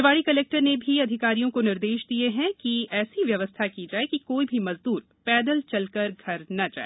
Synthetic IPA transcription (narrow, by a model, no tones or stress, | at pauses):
ʋaːɽikɐleːk̚ʈəɾnebʱiɐd̪ʱɪkaːɾijõkonɪɾd̪eːʃd̪ieɦɛ̃kiɛːsiʋjɐʋəst̪ʰakid͡ʒaːekikoːibʱimɐzd̪uːɾ | pɛːd̪əlt͡ʃɐlkəɾɡʱɐɾnɐd͡ʒa̰ːe